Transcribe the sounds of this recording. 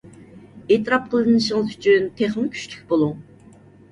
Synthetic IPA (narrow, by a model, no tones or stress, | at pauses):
et̪ɨɾɑp̚qʰəlˠɨnɨʃəŋəzy̥t͡ʃʰynt̪ʰeχɨŋkʲʰy̥ʃlʲy̥kʲbolˠu